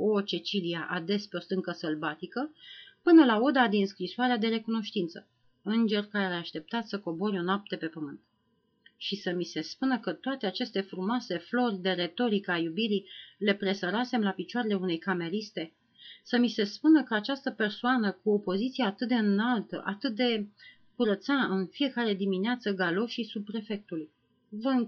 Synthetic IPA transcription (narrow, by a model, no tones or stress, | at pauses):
o̞t͡ʃe̞t͡ʃiliaʔad̪e̞spe̞o̞st̪ɨŋkəsəlbat̪ikəpɨnəlao̞d̪ad̪inskɾisoaɾead̪e̞ɾe̞kuno̞ʃt̪int̪sə | ɨnd͡ʒe̞rkaɾeeeaʃt̪e̞p̚t̪at̪ssəko̞bo̞ɾʲo̞noap̚t̪e̞pe̞pəmɨnt̪̚ | ʃisəmise̞spunəkət̪oat̪e̞at͡ʃe̞st̪e̞fɾumoase̞flo̞rʲd̪e̞ɾe̞t̪o̞ɾikəajubiɾile̞pɾe̞səɾase̞mlapit͡ʃoaɾe̞le̞une̞jkame̞ɾist̪e̞ | səmise̞spunəkəat͡ʃast̪əpe̞rsoanəkuopo̞zit̪sijeat̪ɨt̪̚d̪eɨnalt̪ə̰ʔat̪ɨt̪̚d̪e̞ | kuɾət̪saɨnfie̞kaɾe̞d̪imineat̪səɡalo̞ʃisub̚pɾe̞fe̞k̚t̪uluj | vəɨŋ